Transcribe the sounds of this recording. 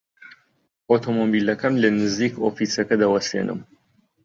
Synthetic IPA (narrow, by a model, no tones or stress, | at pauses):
ot̪ʰomobilɐkʰɐmlɐnɨziːkofiːsɐkɐd̪ɐwɐsḛnʔɨ̰m